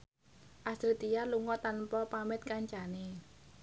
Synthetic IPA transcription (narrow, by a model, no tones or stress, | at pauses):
ʔasɾit̪ijaluŋɔt̪anpɔpamɪt̪̚kaɲt͡ʃane